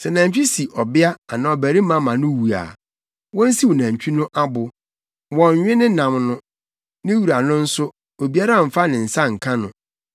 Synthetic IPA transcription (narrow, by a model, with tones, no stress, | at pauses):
sɛ˨nã˨ɲ̩˨t͡ɕᶣi˦si˨ʔɔ˨bɪ˦a˦a˨nã˨ɔ˨bæ˨ɾi˦mã˦mã˨nʊ̃˦wu˨a̰˨ | wɔ̃˦n̩˦si˦wo˨nã˨ɲ˨t͡ɕᶣi˦nʊ̃˦ʔa˦bʊ˨ | wɔ̃˨ɲ˨ɲᶣɪ̃˦nɪ̃˦nã˨mnʊ̃˦ | nɪ̃˦wu˨ɾa˨nʊ̃˦n̩˦sʊ˦ | o˨bi˦a˦ɾa˦˨m̩˨fa˦nɪ̃˨n̩˨sa˦ŋ̩˨kʰã˦nʊ̰̃˨